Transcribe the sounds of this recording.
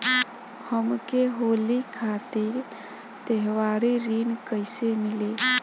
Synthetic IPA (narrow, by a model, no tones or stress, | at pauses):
həmkeɦoːlikʰaːt̪iɾ | t̪əɦwaːɾiɾiːnkəɪsemɪle